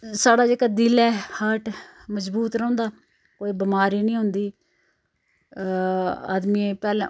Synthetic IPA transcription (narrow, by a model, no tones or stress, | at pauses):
saːɽaːd͡ʒeːkaːd̪ɪlɛːhəʈ | məzbuːt̪ɾə̃ʊ̃ːnd̪aː | koːiːbɪmaːɾiːnĩːɦʊnd̪iː | a̰ːd̪miːẽpɛːlẽː